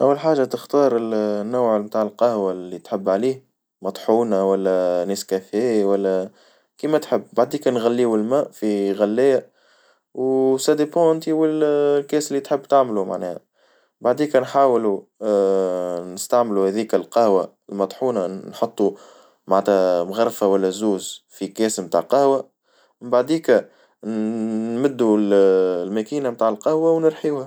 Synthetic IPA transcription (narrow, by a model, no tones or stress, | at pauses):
ʔæwːəlħaːʒat̪əxt̪ɑːɾˤɪlnːʊwʕmt̪aːʕəlqɑhwalːit̪ħəbːʕaliːh | mɑt̪ˤħuːnawælːænɪskæfɛːwælːæ | kiːmæt̪ħɪbːbaʕd̪iːkænɣælːiːwɪlmæːʔfiɣælːɪjːæ | wsæd̪epõʔɪnt̪iwɪllkɛːsɪlːit̪ħəbːt̪aʕmluma̰ʕnɛ̰ːhæ | baʕd̪iːkænħaːwlu | nəst̪aʕmluhæðiːkælqɑhwaɪlmɑt̪ˤħuːnanħot̪ˤːu | maʕæt̪hæmɣɑɾˤrˤfawælːæzuːzfikɛːsmt̪a̰ʕqɑhwa | mmbaʕd̪iːkæ | mɪd̪ːullmækiːnamt̪aːʕəlqɑhwawnəɾħiːwhæ